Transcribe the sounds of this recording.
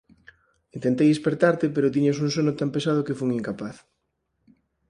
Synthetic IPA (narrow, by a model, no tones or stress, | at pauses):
int̪ent̪ejðespeɾt̪aɾt̪ɪpeɾʊt̪̬iɲasuŋsonʊt̪ampesað̞ʊkefuŋiŋkapaθ